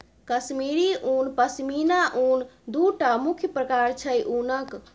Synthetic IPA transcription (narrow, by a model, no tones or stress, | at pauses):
kəsmiɾiʔuːnpəsminaʔuːnd̪uʈamukʰjəpɾəkaɾt͡ʃʰəjʔunək